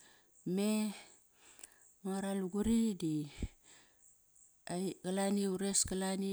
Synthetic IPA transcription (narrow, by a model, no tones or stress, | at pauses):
me | maɾaluɡuɾidi | ajɡalaniuɾesɡalani